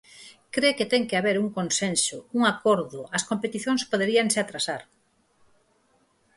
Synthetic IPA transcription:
kɾeket̪ɛŋkeaβeɾuŋkonsensʊuŋakoɾðʊɐskompet̪iθjoŋspoðeɾiaŋsɪat̪ɾasaɾ

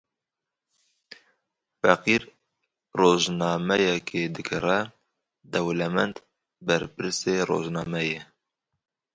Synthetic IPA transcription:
fɛqiɾ | roːʒnɑːmɛjɛkʰed̪ɨkʰɨrɛ | d̪ɛwlɛmɛnt̪ | bɛɾpɨɾseːro̰ːʒnɑːmɛje

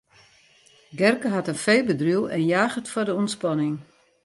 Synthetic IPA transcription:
ɡɛrkəɦatənfejlbədrylˠɛ̰njaːxətfɔrdəunspɑnɪŋ

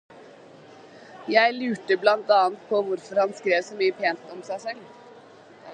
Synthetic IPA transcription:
jæɪlʉːʈəblɑnt̪ɑːnt̪̚pʰɔʋʊɾfɔɾhɑnskɾeːʋsɔːmyːəpʰeːnt̪ɔmsæɪsɛl

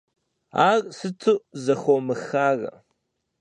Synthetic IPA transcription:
aːrsɨtʰuzɐxʷomɨxaːrɐ̰

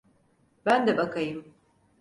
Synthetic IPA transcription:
bænd̪ɛbakʰajɯm

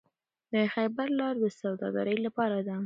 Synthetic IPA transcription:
d̪əxajbaɾlɑɾd̪əsawd̪ɑ̰ɡa̰ɾəjlapɑɾad̪a

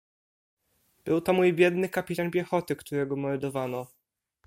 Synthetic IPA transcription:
b̥ɘwt̪ɔmujbʲjɛd̪nɘkapʲit̪anpʲjɛxɔt̪ɘkt̪uɾɛɡɔmɔld̪ɔvanɔ

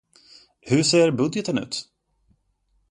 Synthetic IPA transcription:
hɵseːɾbɵd̪jɛt̪ənʉ̟ːt̪

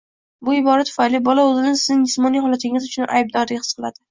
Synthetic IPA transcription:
bʊɪbɒɾat̪ʰʊ̥fajlibɒlaɵzɪnɪsɪznɪŋd͡ʒɪsmɒnijχɒlat̪ʰɪŋʲɪzʊt͡ʃʰʊnʔa̰jb̚d̪ɒɾd̪ɪɡʲhɨ̥sqɨlˠad̪̥ɪ

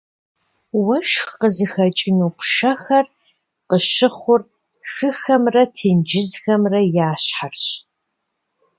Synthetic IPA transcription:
wɐʃxqəzɨxɐt͡ʃʼɪnuːpʰʂɐxɐr | qəɕɪχʷʊr | xɨxɐmrɐtʰeːnd͡ʒɪzxɐmrɐjaːɕħarɕ

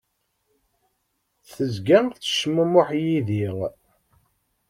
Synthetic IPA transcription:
θəzɡæt͡sːə̥ʃməmʊħjiðiʁ

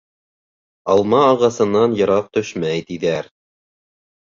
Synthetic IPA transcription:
ɑlˠmɑːʁɑsɤ̆nːɑnjɤ̆ɾɑq̚t̪ɵʃmæjt̪iðæɾ

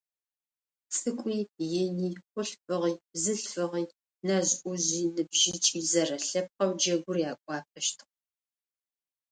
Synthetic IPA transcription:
t͡sʼɨkʷʼiːjɪniːχʷʊɬfɨʁiːbzɨɬfɨʁiː | naʑʔʷʊʑiːnɨbʒɪt͡ʃʼiːzɐrɐɬɐp̚qɐwd͡ʒɐɡʷʊrjaːkʷʼɑːp̚ʰɐʃtʰɨ̥χʷ

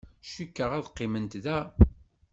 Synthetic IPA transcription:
ʃikːəʁæðqːɪmənt̪ðæ

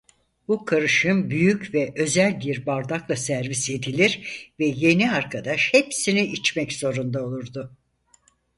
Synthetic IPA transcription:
bukʰaɾɯʃɯnbyjycvɛʔø̞zælʲbiɾbaɾd̪aklˠasæɾvise̞d̪ilʲiɾvɛje̞niaɾkʰad̪aʃhepsiniit͡ʃmɛcz̥o̞ɾund̪ao̞lˠuɾd̪ʊ

